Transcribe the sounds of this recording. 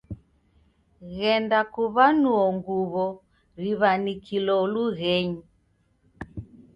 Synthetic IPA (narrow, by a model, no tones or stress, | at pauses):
ɣɛndakuβanuɔŋɡuβɔ | ɾiβanikilɔluɣɛɲi